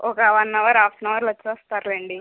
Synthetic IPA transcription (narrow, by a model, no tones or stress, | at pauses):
ʔɔkɐʋɐnːɐʋɐɾaːpnɐʋɐɾlɐt͡ʃːɔːst̪aːɾleːɳɖi